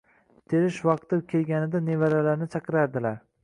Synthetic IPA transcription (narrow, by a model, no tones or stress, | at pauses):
t̪ʰeɾɪʃvɑq̚t̪ɪɾkʲʰe̞lɡʲanɪd̪anevaɾalaɾnɪt͡ʃʰɑqɨɾaɾd̪ɪlaɾ